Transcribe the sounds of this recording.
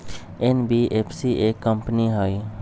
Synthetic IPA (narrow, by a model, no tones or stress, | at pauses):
enbiʔepʰsiʔekəmpniɦoi